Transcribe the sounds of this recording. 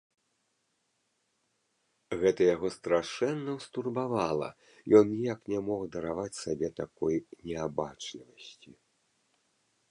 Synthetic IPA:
ɣɛt̪ɐjaɣɔst̪ɾaʂɛnːɐwst̪urbavalˠɐ̰ | jɔnnʲijaknʲɛmɔxd̪ɐɾavat͡sʲsabʲɛt̪akɔjnʲɛabat͡ʂlʲivɐsʲt͡sʲi

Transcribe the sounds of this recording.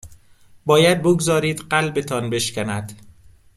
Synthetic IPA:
bɒːjæd̪̚boɡzɒːɾiːd̪ɢælbe̞t̪ʰɒːnbe̞ʃcænæd̪̥

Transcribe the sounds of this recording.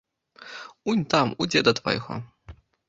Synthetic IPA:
unʲt̪amṵd͡zʲɛd̪ɐt̪vɐ̰jɣɔ̰

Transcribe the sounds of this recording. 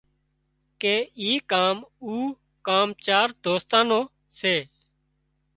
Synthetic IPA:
keːiːkaːmuː | kaːmt͡ʃaːɾd̪oːst̪ãːnõː | seː

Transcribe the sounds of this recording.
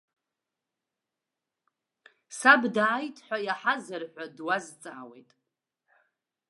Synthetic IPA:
sabdaːjtʼʰħʷᶣajaħazɨrħʷᶣadwazt͡sʼa̰ːwḛjtʼ

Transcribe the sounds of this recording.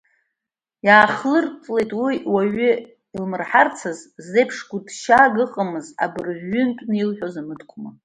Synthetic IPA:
jaːχlɨrt͡sʼlejtʼwiwaɥʏ | ilmɨrħart͡sʰazzejpʰʂɡʷudʃaɡɨqʼamɨza̰bɨrʕːʏntʷʼnɨilħʷᶣozamɨdʰkʷʰʼma

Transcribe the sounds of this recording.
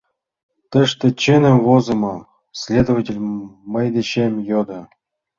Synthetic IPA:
t̪ɘ̆ʂt̪ĕt͡ɕɘnʲɘ̆mvozɤ̆mɤ | sʲlʲed̪ovatʲelʲmɤjd̪ʲĕɕemʲjod̪ɤ̆

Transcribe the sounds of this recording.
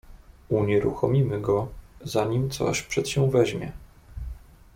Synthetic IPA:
uɲɛɾṵxɔmʲimɘɡɔzaɲimt̪sɔ̰ɕpʂɛt̪ɕɛ̃vɛʑmʲjɛ̰

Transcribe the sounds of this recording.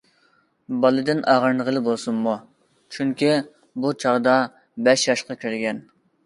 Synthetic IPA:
bɑlˠɨd̪ɪnɑːʁəɾnɨʁəlˠɨbolˠsunmu | t͡ʃʰyŋkʲi | but͡ʃʰɑʁd̪ɑ | bɛʃjɑʃqɑkʲiɾɡʲɛn

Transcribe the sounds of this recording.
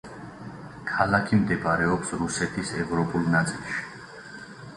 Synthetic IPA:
kʰalakʰimd̪ɛbaɾɛɔpsɾusɛt̪ʰisɛvɾɔpʼulˠnat̪sʼilˠʃi̥

